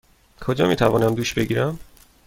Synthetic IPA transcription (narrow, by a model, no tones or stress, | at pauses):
kʰod͡ʒɒ̰ːmiːt̪ʰævɒːnæmd̪uːʃbe̞ɟiːɾæm